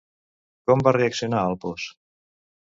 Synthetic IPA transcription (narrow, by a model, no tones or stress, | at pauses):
kɔmbareəksionaəlˠpɔs